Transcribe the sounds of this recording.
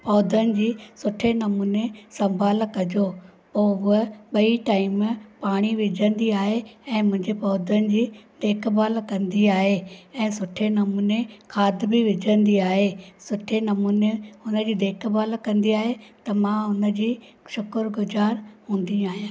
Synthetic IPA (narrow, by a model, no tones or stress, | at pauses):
pɔːd̪ʱənɪ̆d͡ʑiːsʊʈʰenɐmuːnesɐ̃mbʱaːlkɐd͡ʑo | poːɦʊəɓɐiʈaːɪmpaːɽ̃iʋɪd͡ʑʱə̃nd̪iaːɦeɛ̃ːmʊ̃ɦɪ̃ɲd͡ʑepɔːd̪ʱənɪ̆d͡ʑiːd̪eːkʰbʱaːlkɐ̃nd̪iaːɦeɛ̃ːsʊʈʰenɐmuːnekʰaːd̪bɪʋɪd͡ʑʱə̃nd̪iaːɦesʊʈʰenɐmuːneɦʊnə̆d͡ʑiːd̪eːkʰbaːlkɐ̃nd̪iaːɦet̪ɐmãɦʊnə̆d͡ʑiː | ʃʊkəɾɡʊzaːɾɦũːn̆d̪iaːɦijãː